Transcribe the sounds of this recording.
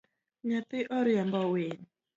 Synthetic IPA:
ɲat̪ɪʔɔɾɪambɔwen

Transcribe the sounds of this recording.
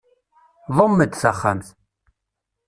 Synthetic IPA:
ðˤəmːəd̪θæχːa̰mθ

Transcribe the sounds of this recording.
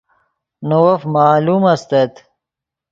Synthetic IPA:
nowɐfmaːlumɐst̪ɐt̪

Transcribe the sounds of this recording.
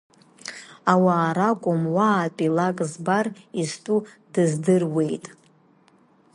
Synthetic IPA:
awaːɾakʷʼʊmwaːpʼilakʼzbaristʼu | d̥ɨzdɨrwe̞jtʼ

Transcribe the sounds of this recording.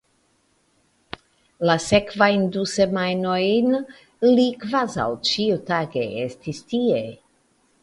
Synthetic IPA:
lasekvajndusemajnojn | likvaza̰wt͡ʃiutaɡe̞estistie

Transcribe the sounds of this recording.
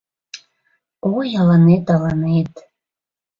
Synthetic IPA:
ojɑlɑnet̪ɑlɑnet̪

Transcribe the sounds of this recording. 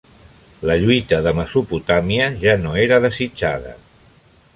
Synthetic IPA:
ləʎuit̪əðəməsuput̪amiəʒanoeɾəðəzid͡ʒa̰ðə̰

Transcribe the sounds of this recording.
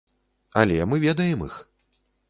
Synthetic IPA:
ɐ̰lʲɛmɨvʲɛd̪ɐjɛmix

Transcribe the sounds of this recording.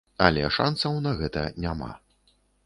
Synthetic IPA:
ɐlʲɛ̰ʂa̰nsɐwnɐɣɛt̪ɐ̰nʲama̰

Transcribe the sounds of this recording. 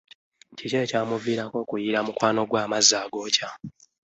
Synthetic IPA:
ciceecaːmuviːɾako̞ːkujiɾamukwaːno̞ɡwaːmazːaːɡo̞ːca

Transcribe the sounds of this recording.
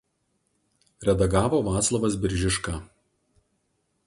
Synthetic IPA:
ɾʲɛd̪ɐɡɑːʋoːʋɑːt̪slˠɐʋɐs̬bʲɪɾʲʒʲɪʃkɑː

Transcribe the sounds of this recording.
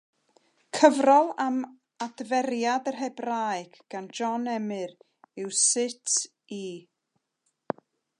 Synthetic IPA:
kʰəvrɔlˠam | advɛɾjadərɦɛbraɨɡ̥ɡ̥and͡ʒɔnɛmɨɾ | ɪwsɪtʰ | i

